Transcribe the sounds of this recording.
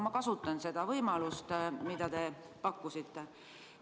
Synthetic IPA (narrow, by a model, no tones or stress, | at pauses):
mɑkɑsut̪ːˑɑnse̞d̪̥ɑvɤjmɑlust̪mid̪̥ɑt̪e̞ | pɑkːusit̪ːe̞